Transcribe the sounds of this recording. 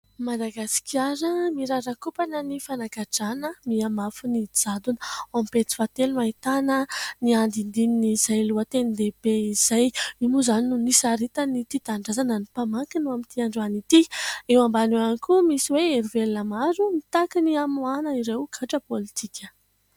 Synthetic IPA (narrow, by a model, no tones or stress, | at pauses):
mad̪aɡasi̥kiaɾəmiɾaɾakupanənifanaɡaʈ͡ʂanəmiamafunid͡zad̪unompet͡s̪i̥fat̪elumait̪anəniand̪ind̪ininizajluət̪enid̪ebeiz̥ajimuzaninunisaɾit̪ənit̪it̪aɳɖ͡ʐazanənipamakinuamit̪iaɳɖ͡ʐanit̪iewambaneankumisiweeɾivelunəmaɾumit̪akiniamuanəiɾewɡ̥ʰaʈ͡ʂəpolit̪ʰikʰʲə̥